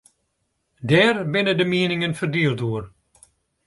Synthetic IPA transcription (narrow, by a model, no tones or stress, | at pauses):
dɛːrbɪnədəmiənɪŋənfərdyərtuər